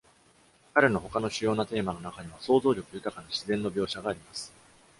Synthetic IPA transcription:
kaɾe̞no̞ɦo̞kano̞ɕɨjo̞ːnat̪e̞ːmano̞nakaɲ̟iβ̞aso̞ːzo̞ːɾʲo̞kɯjɯ̟k̪akanaɕizẽ̞nːo̞bʲjo̞ːɕaɡaːɾʲimasɨ̥

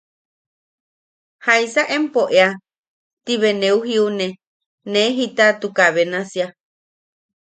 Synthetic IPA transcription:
haisaʔempoʔea | t̪iβeneuɦiune | neɦit̪at̪ukaβenasia

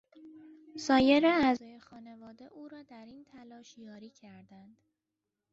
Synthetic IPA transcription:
sɒːje̞ɾeæzɒːje̞xɒːne̞vɒːd̪e̞ʔuːɾɒːd̪æɾint̪ʰælɒːʃjɒːɾiːcʰæɾd̪ænd̪̥

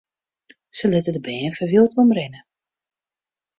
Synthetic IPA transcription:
səlɪtədəbɛːnfəʋilˠtɔmrɪnə

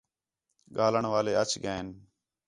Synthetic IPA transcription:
ɠaːləɳʋaːleːət͡ʃʰɡəeːn

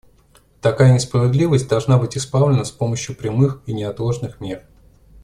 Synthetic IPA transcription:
t̪ɐkajənʲɪspɾəvʲɪd̪lʲivəsʲtʲd̪ɐlˠʐnabɨtʲɪspavlʲɪnəspo̞məɕjʊpɾʲɪmɨxinʲɪɐt̪lˠo̞ʐnɨxmʲer

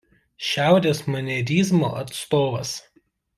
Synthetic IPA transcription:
ʃʲæˑʊɾʲeːsmɐnʲɛɾʲiːzmo̰ːʔɐt̪st̪oːʋɐs

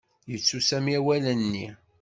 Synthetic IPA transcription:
jət͡sːusæmiæwælənːḭ

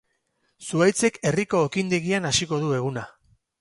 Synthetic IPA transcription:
suajt͡se̞ke̞riko̞ːkind̪e̞ɣianasiko̞ðue̞ɣ̞una

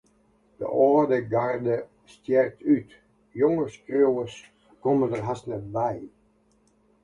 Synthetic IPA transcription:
d̥ə̰ʔɔːdəɡardə | stjɛrk̚tʰyt | jɔŋərskrowəs | komədərɦasnətbɛj

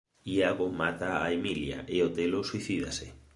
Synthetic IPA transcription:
iaɣomat̪aːemilja̰ʔeot̪eloswiθiðasɪ

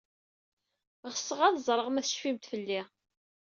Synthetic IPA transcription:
ʁəsːəʁæðzˤɾˤəʁmæθə̥ʃfimt̪fəlːɪ

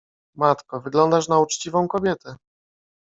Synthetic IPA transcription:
mat̪kɛvɘɡlɔnd̪aʂnaut͡ʂt͡ɕivɔ̃w̃kɔbʲjɛt̪ɛ

